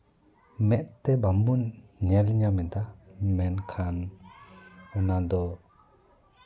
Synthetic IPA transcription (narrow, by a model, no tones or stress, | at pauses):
mɛʔ̪t̪ɛbamunɲɛlɲamɛt̪amɛnkʰan | ɔnad̪ɔ